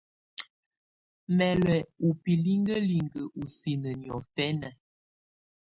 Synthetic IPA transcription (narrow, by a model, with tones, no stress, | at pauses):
mɛ˨lɛ˨u˨pi˨li˦ŋɡə˦li˨ŋɡə˨ʔu˨si˨nə˨njɔ˨fɛ˦nə˨